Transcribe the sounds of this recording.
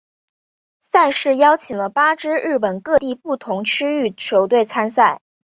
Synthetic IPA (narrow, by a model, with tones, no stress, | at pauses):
sa˥˧ɪʂɻ̩˥˩jɑ˥ʊt͡ɕʰi˨˩ŋlə˦pa˥ʈ͡ʂɻ̩˥ɻɻ̩˥˩pə˨˩nkɤ˥˧t̪i˥˧pu˥˩t̪ʰʊ˧˥ŋt͡ɕʰy˥y˥˩t͡ɕʰjo˧˥ʊt̪we˥˩ɪt͡sʰa˥nsa˥˩ɪ